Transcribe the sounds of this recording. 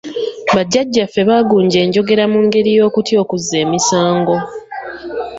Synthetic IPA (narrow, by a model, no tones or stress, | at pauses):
βaɟːaɟːafːe̞βaːɡuːɲɟe̞ːɲɟo̞ɡe̞ɾamuːŋɡe̞ɾijo̞ːkutjo̞ːkuzːe̞ːmisaːŋɡo̞